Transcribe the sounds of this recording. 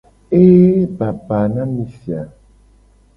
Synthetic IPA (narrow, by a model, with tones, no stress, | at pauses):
e˦ba˨pa˨nã˦mi˨fja˨